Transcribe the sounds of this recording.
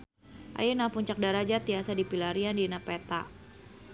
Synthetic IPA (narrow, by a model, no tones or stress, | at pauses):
ʔa̰junapuɲt͡ʃak̚daɾad͡ʒat̪iasadipilaɾiandinapɛt̪a